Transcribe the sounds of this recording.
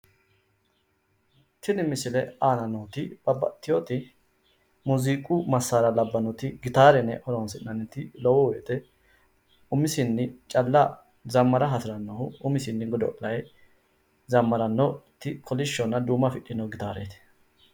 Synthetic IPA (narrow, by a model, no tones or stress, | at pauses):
t̪ʰɪnɪmɪsɪlɛaːnɐnoːt̪ɪb̥ɐbɐ̰t̪ːɪjot̪ɪ | mʊziːkʼʊmɐsːaːɾɐlɐbːɐnɔt̪ɪɡɪt̪aːɾɛnɛ̰ʔɔɾɔnsɪnːɐnːɛt̪ːɪlɔwɔwɔːt̪ʼɛ | ʊmɪsɪnːɪt͡ʃʼɐlːɐ | zɐmːɐɾɐɦɐt̪ɪɾɐnːɔhʊʊmɪsɪnːɪɡɔd̪ɔ̰ʔʼlɐj | zɐmːɐɾɐnːɔt̪ːɪkʰɔlɪʃːɔnːɐd̪uːmːɐfɪɗːɪnːɔɡɪt̪aːɾḛːt̪ɪ̥